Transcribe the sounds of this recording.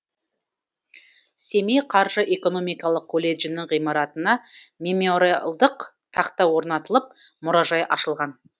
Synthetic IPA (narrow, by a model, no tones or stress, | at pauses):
se̞mejqʰɑɾʒəʔe̞ko̞no̞mijkɑlˠəq̚kʰolʲe̞ʒɪnɪŋʁijmɑɾɑt̪ənɑmʲe̞moɾlˠd̪əq | t̪ʰɑqt̪ɑwo̞ɾnɑt̪əlˠəp̚mʊɾɑʒɑjʔɑʃəlˠʁɑn